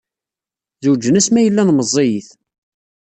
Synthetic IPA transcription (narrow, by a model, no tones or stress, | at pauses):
ðud͡ʒːənæsmæjəlːænməzˤːijiθ